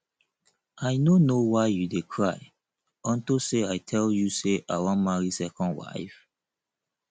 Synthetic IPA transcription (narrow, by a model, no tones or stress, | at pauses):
ajnonowaɪjudekʰɹaj | ɔ̃ntoseajtʰɛljuseʔawamaɹisɛkɔ̃ndwa̰ɪf